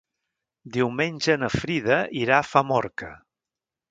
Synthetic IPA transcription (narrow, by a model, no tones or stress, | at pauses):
d̪iwmenʲʒənəfɾið̞əʔiɾafamɔɾkə